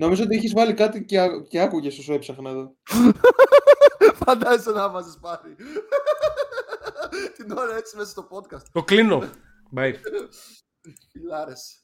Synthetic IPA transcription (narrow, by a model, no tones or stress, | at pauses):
no̞mizoo̞t̪iiçizvɐlikɐt̪iceceɐkuʝe̞sosepsɐxnɐeðo̞ | fɐnd̪ɐzisenɐvɐzespɐɾi | t̪inoɾɐet͡simesɐst̪opot̪kɐst̪t̪oklinof | bɐjɾ | ilɐɾese̥